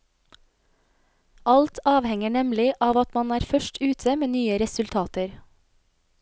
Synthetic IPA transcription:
ʔɑlt̪ʰɑːʋhɛŋəɳɛmlɪʔɑːʋɑt̪mɑnæːɾfœʃʈʉːt̪ʰəmeːnyːəɾɛsʉlt̪ʰɑːt̪əɾ

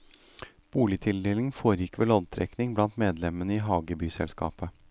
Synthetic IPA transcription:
b̥uːlɪt̪ʰɪld̪eːlɪŋfoːɾjɪkːʋɛloːd̪t̪ʰɾɛ̰knɪŋblɑnt̪meːd̪lɛmənəiːɦɑːɡəbyːsɛ̰lskɑ̰ːpə

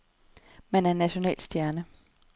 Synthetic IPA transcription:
mænæɐnæɕo̝nɛ̰ːld̥sd̥jæɐnə

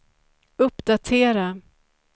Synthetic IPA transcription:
ɵpːd̪at̪ʰeːɾa

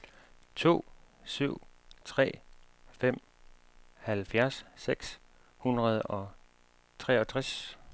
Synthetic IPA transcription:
t͡sʰo̝̰ːsyʊ̰t͡sʰʁɛ̰ːfem̰ | hælfjæɐsːeɡ̥s | hunʁɐð̞ˠɒ̽ | t͡sʰʁɛɒ̽t͡sʰʁɛs

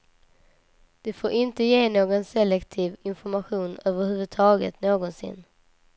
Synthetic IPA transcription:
d̪̥ɛfoːɾʔɪnt̪əjeːnoːɡɔnsɛlːɛkt̪ʰiːvɪnfɔɾmaɧuːnøːvəɾhʉ̟ːvɵd̪̚t̪ʰɑːɡə̰t̪noːɡɔnsɪ̰n

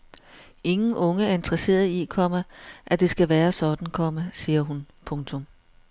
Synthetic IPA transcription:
e̝ŋn̩ɔ̽ŋəæɐe̝nd̥ʁɐse̝̰ːɐð̩ˠikʰɒ̽m̰ɐʔæd̥e̝sɡ̥æʋæːɐsɒ̽d̥n̩kʰɒ̽məsiːɐɦun | pʰɔ̽ŋt͡sʰɔ̽m

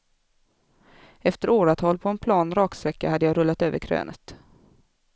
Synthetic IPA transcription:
ɛft̪əɾoːɾat̪ʰɔlpʰɔɛnpʰlɑːnɾɑːksɾɛkːahad̪ːəjɑɾɵlːat̪øːvəɾkʰɾø̰ːnʔə̰t̪

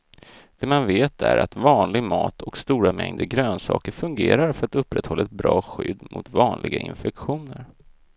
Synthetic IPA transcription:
d̪̥ɛmanveːt̪ʰæɾat̪vɑːnlɪɡmɑːt̪ʰɔkst̪uːɾamɛŋd̪əɡɾøːnsɑ̰ːkəɾfɵŋɡeːɾaɾfœɾat̪ɵpːɾɛt̪hɔlːaɛt̪̚bɾɑːɧʏd̪ːmʔʊ̰t̪vɑːnlɪɡaʔɪnfɛkɧuːnəɾ

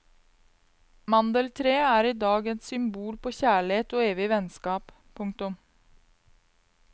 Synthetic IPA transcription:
mɑnd̪əlt̪ʰɾeːæːɾiːd̪ɑːɡensʏmbuːlpoːçæːɭeːt̪oːeːʋɪʋɛnskɑːp | pʰʊŋt̪ʊm

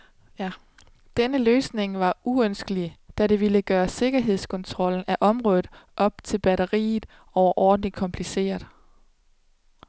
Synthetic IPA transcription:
jæ | d̥enəløːsne̝ŋʋɑ̈ʔuønsɡ̥əlid̥æɾ̥e̝ʋiləɡ̥ɶːɐse̝ɡ̥ɐɦe̝ð̞̰ˠskʰɒ̽nt͡sʰʁɒ̽l̰n̩æʔɒ̽mʁɔ̽ːð̩ˠʔɒ̽b̥̚t͡sʰe̝lb̥æɾɐʁḭːð̩ˠ | ɒʊɐʔɒːd̥n̩i̥kʰɒ̽mpʰlise̝̰ːɐðˠ

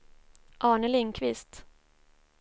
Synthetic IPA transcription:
ʔɑːɳəlɪŋkʰvɪst̪

